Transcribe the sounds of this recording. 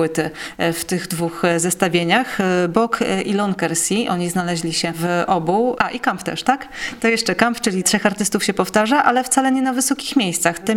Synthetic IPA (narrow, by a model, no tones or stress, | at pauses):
wɘt̪ɘft̪ɘɣd̪vuxzɛst̪avʲjeɲaxbɔkʰʔilɔnkɛɾsʲiʔɔɲiznalɛʑlʲiɕɛvʔɔbuʔaʔikampt̪ɛ̰ʂt̪akt̪ɔjɛʂt͡ʂɛkampt͡ʂɘlʲitʂɛxaɾt̪ɘst̪ufɕɛpɔft̪aʐaʔalɛft̪salɛɲɛnavɘsɔkʲixmʲjejst̪saxt̪ɛ